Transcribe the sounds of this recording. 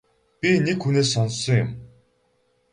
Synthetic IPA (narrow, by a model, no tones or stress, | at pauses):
pʲinekxuneːsːɔnsːɞ̆ŋjʊm